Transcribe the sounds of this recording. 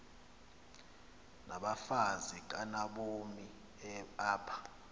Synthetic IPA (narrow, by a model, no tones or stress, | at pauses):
nʔaɓafazik̬anaɓomi | aːpʰḁ